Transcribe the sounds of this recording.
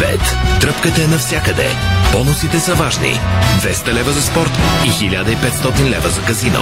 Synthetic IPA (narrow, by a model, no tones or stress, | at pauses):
pɛ̰t̪ːɾɤpkət̪ɛnɐfsʲjakəd̪ɛ̰pɔnʊsit̪ɛsɐvaʒnḭd̪vɛst̪ɐlɛvəzɐspɔɾt̪ixilʲad̪əipɛt̪st̪ɔt̪inlɛvəzɐkɐzino̰